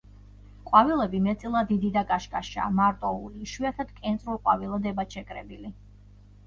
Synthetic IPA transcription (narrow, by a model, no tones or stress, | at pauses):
qʼwavilˠɛbimɛt̪sʼilˠad̪id̪id̪akʼaʃkʼaʃa̰ːmaɾt̪ʼɔuliʃwiat̪ʰad̪̥kʼɛnt̪sʼɾulˠqʼwavilˠad̪ɛbat͡ʃʰɛkʼɾɛbili